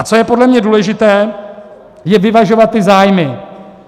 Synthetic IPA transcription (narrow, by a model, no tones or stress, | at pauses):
at͡so̞jɛpo̞dlɛmɲɛduːlɛʒɪt̪ɛː | jɛvɪvaʒo̞vat̪ːɪzaːjmɪ